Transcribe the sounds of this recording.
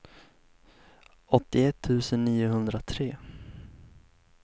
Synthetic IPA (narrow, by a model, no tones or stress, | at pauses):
ɔt̪ːɪɛt̪ʰːʉ̟ːsənːiːʊɦɵnd̪ɾat̪ʰɾeː